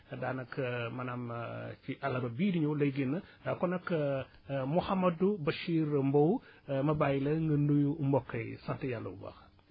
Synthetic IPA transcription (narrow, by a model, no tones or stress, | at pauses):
daːnɐkmɐnamciʔɐlɐbɐbiːdiɲɐwlɐjɡinːɐkɔnɐk | muhɐmɐdubɐʃiːɾmbow | mɐbaːjilɐŋɡɐndujumbɔkːɐjsɐntɐjalːɐ̰bṵbɐ̰x